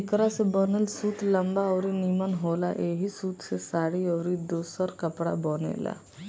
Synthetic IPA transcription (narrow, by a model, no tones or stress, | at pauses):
ɪkɾasebɔnəlsuːt̪lɐmbaɔːɾinimənɦoːla̰ʔeːɦisuːt̪ʰsesaːɽiɔːɾid̪oːsəɾkəpɽa̰boːnḛːla̰